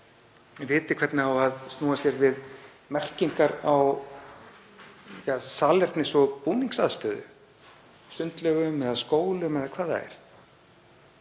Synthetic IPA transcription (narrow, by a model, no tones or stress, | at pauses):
vɪːt̪ɪkʰv̥ɛt̪nɪawaðst̪nuːasjɛɾvɪð | mɛr̥ciŋkaɾaw | jasaːlɛr̥t̪nɪsɔpuːniŋksaðst̪œːðʏ̰ | sʏnt̪lœɣʏmɛðaðskoːwlʏmɛðakʰvaːða̰ɛ̰ɾ̥